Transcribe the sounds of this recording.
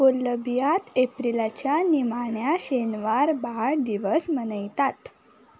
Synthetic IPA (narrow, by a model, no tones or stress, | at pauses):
poləbjat̪epɾilat͡ɕjanimaɳjaɕenʋaɾbaɾd̪iʋəsmənəjt̪at̪